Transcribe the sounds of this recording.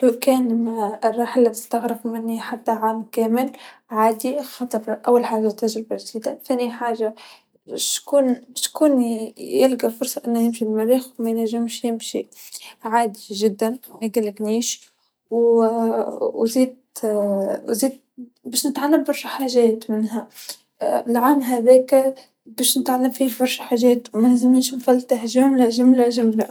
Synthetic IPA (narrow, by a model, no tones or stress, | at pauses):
lokɛːnmarˤːɑːħɪlːit̪ɪst̪aɣɾɪbmɪnːiħat̪ːaʕaːmkæːmɪl | ʕaːd̪ixɑt̪ˤɑɾˤʔawːalħaːʒːat̪aʒɾɪbaʒd̪iːd̪aθæːniħaːʒa | bʃkuːnbʃkuːnjɪlɡafʊɾsˤɑʔɪnːæjɪmʃilmæɾiːxwmæjnæʒːɪmʃjɪmʃḭ | ʕaːd̪iʒɪd̪ːanmæɡalːɪɡniːʃ | w | wziːd̪ | wziːd̪̚ | bɛːʃnɪt̪ʕalːambɑɾˤʃħaːʒɛːt̪mɪnɦæ | lʕanɦæðɛːk | bɛːʃnɪt̪ʕalːamfiːbɑɾˤʃħaːʒɛːt̪wmænezɪmniːʃnfælt̪ahʒæːmlaʒʊmlaʒʊmla